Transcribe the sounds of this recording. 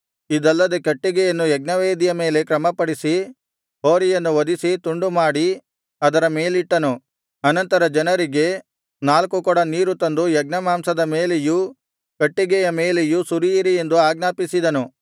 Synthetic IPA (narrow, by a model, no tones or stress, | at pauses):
id̪ɐlːɐd̪ekɐʈːiɡɛjɐnːujɛɡnɐʋeːd̪ijɐme̞ːle̞kɾɐmɐpɐɽisi | ɦoːɾijɐnːuʋɐd̪isit̪uɳɖumaːɽi | ɐd̪ɐɾɐme̞ːliʈːɐnu | ɐnɐnt̪ɐɾɐd͡ʒɐnɐɾiɡe̞ | naːlkukɔɽɐniːɾut̪ɐnd̪ujɛɡ̚nɐmaːmsɐd̪ɐme̞ːleju | kɐʈːiɡɛjɐmeːlejusuɾijiɾije̞nd̪uaːɡnaːpisid̪ɐnu